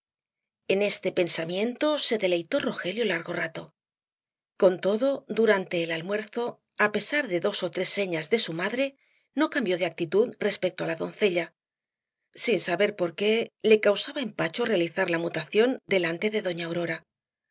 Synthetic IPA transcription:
e̞ne̞st̪e̞pe̞nsamje̞nt̪o̞se̞ðe̞le̞jt̪o̞ro̞xe̞ljo̞laɾɣo̞rat̪o̞ | ko̞nt̪o̞ðo̞d̪uɾant̪e̞ːlalmwe̞ɾθo̞ | ape̞saɾðe̞ðo̞so̞t̪ɾe̞sːe̞ɲazðe̞sumaðɾe̞ | no̞kambjo̞ðe̞ak̚t̪it̪uðre̞spe̞k̚t̪o̞alaðo̞nθe̞ʎa | sinsaβe̞ɾpo̞ɾke̞le̞kawsaβaempat͡ʃore̞aliθaɾlamut̪aθjo̞nd̪e̞lant̪e̞ðe̞ðo̞ɲaoɾo̞ɾa

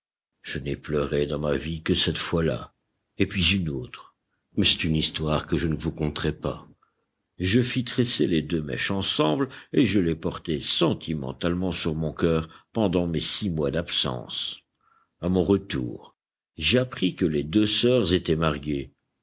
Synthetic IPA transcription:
ʒ̥ənɛplœʁed̪ɑ̃mavikəsɛt̪fwala̰ | epɥizynoːt̪χ | mɛsɛt̪ynist̪waʁkəʒənəvukɔ̃t̪ʁɛpa̰ | ʒəfit̪χɛseled̪ømɛ̰ʃɑ̃sɑ̃bleʒəlepɔʁt̪ɛsɑ̃t̪ʰimɑ̰̃t̪almɑ̃syʁmɔ̃kœʁpɑ̃d̪ɑ̃mesimwad̪apsɑ̰̃s | amɔ̃ʁət̪ṵːʁ | ʒeapχikəled̪øsœʁzet̪ɛmaʁɡe

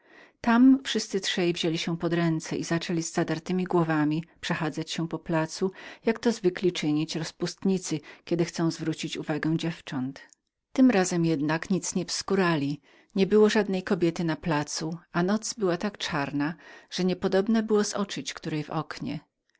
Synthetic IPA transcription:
t̪amfʂɘst̪sɘtʂɛjvʑelʲiɕɛpɔd̪ɾɛnt̪sɛʔizat͡ʂɛlʲizːad̪aɾt̪ɘmʲiɡwɔvamʲipʂɛxad̪zat͡ɕɕɛ̃pɔplat̪sujakt̪ɔzvɘklʲit͡ʂɘɲit͡ɕɾɔspust̪ɲit̪sɘkʲɛd̪ɘxt̪sɔ̃w̃zvɾut͡ɕit͡ɕuvaɡɛw̃d͡ʑɛft͡ʂɔnt̪ | t̪ɘmɾazɛmjɛd̪nakɲit̪sɲɛfskuɾalʲi | ɲɛbɘwɔʐad̪nɛjkɔbʲjɛt̪ɘnaplat̪suanɔt̪sbɘwat̪akt͡ʂaɾnaʐ̥ɛɲɛpɔd̪ɔbnabɘwɔzɔt͡ʂɨt͡ɕkt̪uɾɛjvɔ̰kɲɛ̰

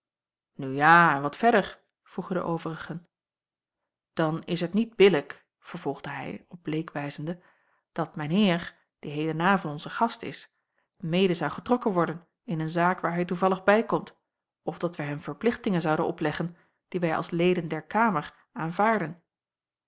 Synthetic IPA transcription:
nyjaːɛnʋɑtfɛɹdəɹ | v̥ruχəndə̰ʔowvərəχən | d̥ɑnɪsɦətnid̚bɪlək | fəɹv̥ɔlˠʁd̥əɦɛ̰jɔb̚blejkʋɛjzəndə | d̥ɑtmɛjnɦɪːɹ | d̥iɦejlənaːvɑnɔnzəχɑstɪ̰s | mejdəzɑwχətrɔkənʋɔɹdən | ɪnənzaːkʋaːɹɦɛjtuvɑlˠəχbɛjkɔmt | ɔfdɑtʋɛjɦɛmv̥əɹplɪχtɪŋənzɑwdənʔɔplɛχən | d̥iʋɛjʔɑ̰lˠslejdəndɛɹkaːməɹ | aːnvaːɹdən

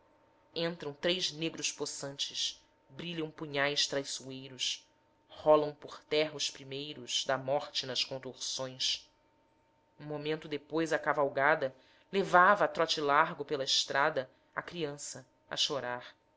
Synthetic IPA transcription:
ẽnt̪ɾɐ̃w̃t̪ɾejzneɡɾʊʃposɐ̃nt͡ʃɪʃ | bɾiʎɐ̃w̃puɲajʃt̪ɾajsuejɾʊs | hɔlɐ̃w̃pʊχt̪ɛɦɐʊʃpɾimejɾʊz̥d̪ɐmɔχt͡ʃɪnɐʃkõnt̪oχsõj̃s | ũmomẽnt̪ʊd̪epojzɐkavawɡad̪ɐ | levavɐːt̪ɾɔt͡ʃilaɾɡʊpelɐɪʃt̪ɾʔad̪ɐ | ɐ̰kɾiɐ̃sɐ | ɐ̰ʃoɾaɾ

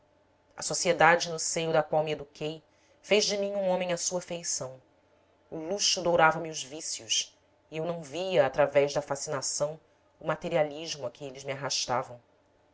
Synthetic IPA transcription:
ɐ̰sosied̪ad͡ʒɪnʊsejʊd̪ɐkwawmɪed̪ukʰej | feʒd͡ʒɪmĩɲũõmẽj̃ɐsuɐfejsɐ̃w̃ | ʊluʃʊd̪owɾavɐmɪʊzvisjʊʃ | ɪewnɐ̃w̃viɐːt̪ɾavɛʒd̪ɐfasinasɐ̃w̃ | ʊmat̪eɾialiʒmʊɐkɪelɪzmiaɦaʃt̪avɐ̃w̃

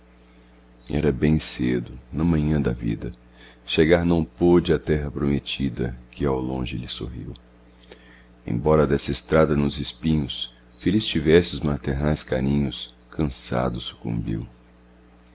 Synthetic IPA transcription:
ɛ̰ɾɐbẽj̃sed̪ʊnɐmɐ̃ɲɐ̃d̪ɐvḭd̪ɐ | ʃeɡaɾnɐ̃w̃pod͡ʒɪɐt̪ɛɦɐpɾomet͡ʃid̪ɐ̰kɪawlõʒɪlɪso̰ɦḭw | ḛ̃bɔɾɐd̪ɛsɐest̪ɾad̪ɐnʊzɪspĩɲʊs | felist͡ʃivɛsɪʊzmat̪eɾnajska̰nĩɲʊs | kʰɐ̃sa̰d̪ʊsu̥kṵ̃mbḭw

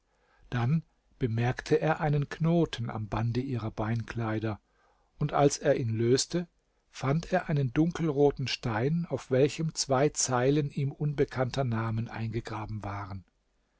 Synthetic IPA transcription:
d̥an | b̥əmɛɐktʰəʔeːɐʔaɪnənkʰnoːtʰn̩a̰mbandəʔiːʁɐbaɪnkl̥aɪdɐ | ʔʊntʔalseːɐʔiːnløːstə | fantʰeːɐʔaɪnəndʊŋkʰl̩ʁoːtn̩ʃtaɪnaʊfv̥ɛlçəmt͡sv̥aɪt͡saɪləniːmʔʊnbəkʰantɐnaːmənʔa̰ɪnɡəɡʁaːbm̩vaːʁən

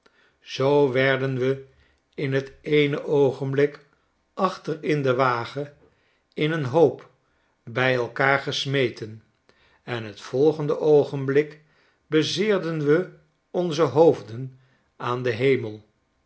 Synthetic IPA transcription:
z̥owʋɛɹdənʋə | ɪnɦətejnəʔowχəmblɪk | ʔɑχtərɪndəʋaːχə | ɪnənɦowp | bɛjɛlˠkaːɹχəsmejtən | ɛnɦətfɔlˠχəndəʔowχənblɪk | bəzɪːɹdənʋə | ɔnzəɦowvdən | aːndəɦejməlˠ

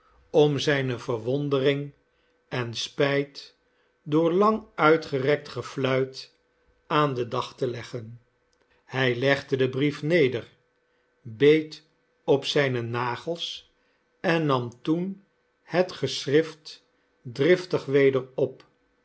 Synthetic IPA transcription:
ɔmzɛjnəvəɹʋɔndərɪŋ | ɛnspɛjt | dʊːɹlɑŋœɥtχərɛk̚tχəflœɥt | aːndədɑχtəlɛχən | hɛjlɛχdədəbrifnejdər | bejt | ɔpsɛjnənaːχəlˠs | ɛnːɑmtun | hətχəsrɪft | drɪftəχʋejdəɹɔp

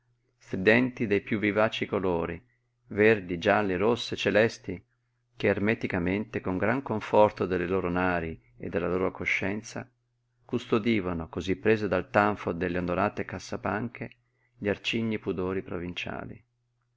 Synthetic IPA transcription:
st̪ɾid̪ɛnt̪id̪ejpjuvːivaːt͡ʃikoloːɾi | vɛrd̪id͡ʒalːiɾosːet͡ʃelɛst̪i | keːrmɛt̪ikament̪ekoŋɡɾaŋkoɱfɔrt̪od̪elːeloːɾonaːɾi | ḛd̪ːelːaloːɾokoʃːɛnt̪sa̰ | kust̪od̪iːvanokozipːɾeːzed̪alt̪aɱfod̪elːeond̪oɾaːt̪ekasːapaŋkʰe | ʎiart͡ʃiɲːipud̪oːɾipɾovint͡ʃa̰ːlḭ

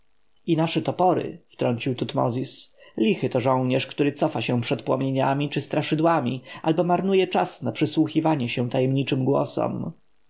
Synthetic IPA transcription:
inaʂɛt̪ɔpɔɾɘ̰ft̪ɾɔɲt͡ɕiwt̪ut̪mɔ̰zʲislʲixɘt̪ɔʐɔ̃w̃ɲɛʂkt̪uɾɘt̪sɔfaɕɛ̃pʂɛt̪̚pwɔmʲjeɲamʲit͡ʂɘst̪ɾaʂɘd̪wamʲiʔa̰lbɔmaɾnujɛt͡ʂasnapʂɘswuxʲivaɲɛɕɛ̃t̪ajɛmɲit͡ʂɘmɡwɔ̰sɔ̰m

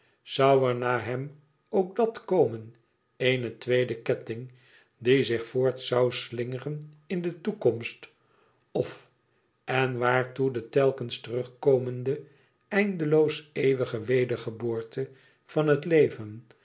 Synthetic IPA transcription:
z̥ɑwɛɹnaːɦɛm | owk̚dɑtkowmən | ejnətʋejdəkɛtɪŋ | dizɪχfʊːɹtsɑwslɪŋərənɪndətukɔmst | ɔf | ɛnʋaːɹtudətɛlˠkənstərɵχkoːməndə | ɛjndəlowsejʋəχəʋejdəɹχəboːɹtə | fɑnɦətlejvən

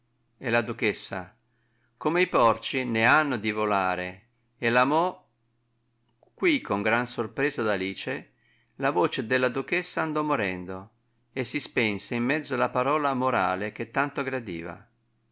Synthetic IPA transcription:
elad̪ukesːa̰ | komeipɔrt͡ʃineanːod̪ivolaːɾeː | lamɔ | kːwikʰːoŋɡɾansorpɾɛːzad̪aliːt͡ʃe | lavoːt͡ʃed̪elːad̪uk̟ɛsːaːnd̪ɔmoɾɛnd̪o | esːispɛnseimːɛd̪zːoalapaɾɔːlamoɾa̰ːlek̟et̪ːant̪oɡɾad̪ḭːva̰

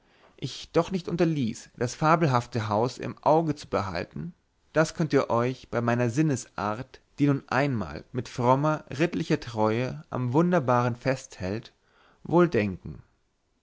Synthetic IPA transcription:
ʔɪçd̥ɔχnɪçtʔʊntɐlḭːsd̥asfaːɐbl̩ɦaftəɦaʊsɪ̰mʔaʊɡət͡subəɦa̰ltn̩ | d̥askʰœntiːɐʔɔʏçb̥aɪmaɪnɐzɪnəsʔa̰ːɐtd̥iːnuːnʔa̰ɪnma̰ːlmɪtfʁ̥ɔmɐʁɪtlɪçɐtʁ̥ɔʏəʔa̰mvʊndɐbaːʁənfɛsthɛ̰lt | voːldɛŋkŋ̩

